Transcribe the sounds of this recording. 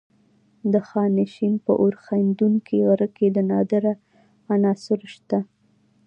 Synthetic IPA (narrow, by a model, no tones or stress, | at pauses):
d̪əxɑnɪʃinpə̰ʔoɾxand̪uŋkʰiɣaɾəked̪ənɑd̪əɾa | anɑsɪɾʃt̪a